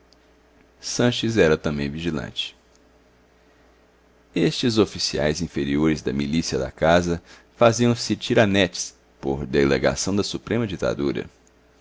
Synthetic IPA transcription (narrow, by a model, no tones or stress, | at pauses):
sɐ̃ʃɪzɛɾɐt̪ɐ̃mbẽj̃viʒilɐ̰̃t͡ʃɪ̥ | est͡ʃɪzofisia̰jzĩfeɾioɾɪzd̪ɐmilisiɐd̪ɐ̰kazɐ | faziɐ̃w̃sɪt͡ʃiɾanɛt͡ʃs | po̰ɾd̪eleɡa̰sɐ̃w̃d̪ɐsupɾẽmɐd͡ʒit̪a̰d̪uɾɐ̰